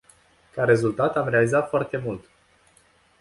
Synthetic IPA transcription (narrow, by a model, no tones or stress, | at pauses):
kaɾe̞zult̪at̪amɾe̞alizat̪foart̪e̞mult̪